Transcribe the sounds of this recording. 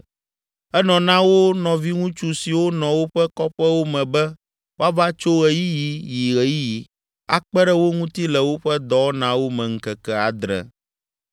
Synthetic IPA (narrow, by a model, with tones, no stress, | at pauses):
ɛ˦nɔ̃˨nã˦wo˦nɔ̃˨vi˦ŋũ˦t͡ʃu˦si˨wo˦nɔ̃˨wo˦ɸɛ˦kɔ˦ɸɛ˦wo˦mɛ̃˨bɛ˦ | wo˦a˦va˦t͡ʃo˦ɣɛ˨ji˦ji˨ji˨ɣɛ˨ji˦ji˨ | a̰˨k͡pɛ˦ɖɛ˦wo˦ŋũ˦t̪i˦lɛ˨wo˦ɸɛ˦d̪ɔ˦nã˦wo˦mɛ̃˨ŋ̩˦kɛ˨kɛ˦a˨d̪ɾɛ̰˨